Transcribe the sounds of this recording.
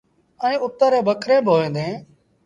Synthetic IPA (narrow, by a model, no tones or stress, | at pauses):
əĩːʊt̪ːəɾẽːbəkʰɾẽːbʱoːẽːnd̪ẽː